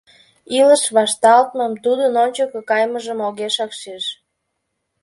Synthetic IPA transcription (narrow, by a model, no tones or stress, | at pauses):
iləʃβɑʃt̪ɑlt̪məmt̪ud̪ənonʲt͡ɕəkəkɑjməʒəmoɣeʃɑkʃeʃ